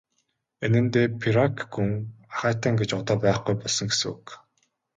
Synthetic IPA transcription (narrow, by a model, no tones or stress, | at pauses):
enɘ̆nt̪eːpʰiɾakɡuŋaχæːt̪ăːŋɡet͡ɕɔt̪ɔːpæːχɡujpɔɮsɞ̆ŋɡesɘ̆ŋṵk